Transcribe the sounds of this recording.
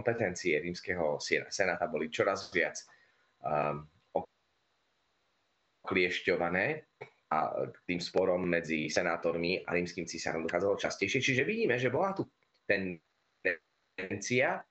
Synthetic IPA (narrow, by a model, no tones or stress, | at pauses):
mpɛt̪ɛnt͡siɛɾiːmskɛːɦɔsɛnasɛnaːt̪abɔlit͡ʃɔɾazʋɪat͡s | ɔ | klɪɛʃcɔʋanɛː | a̰t̪iːmspɔɾɔmːɛd͡zisɛnaːt̪ɔɾmia̰ɾiːmskiːmt͡sisa̰ɾɔmd̪ɔxaːd͡zalɔt͡ʃascɛjʃɪɛt͡ʃiʒɛʋiɟiːmɛʒɛbɔlat̪u | t̪ɛn | d̪ɛ | ɛnt͡sia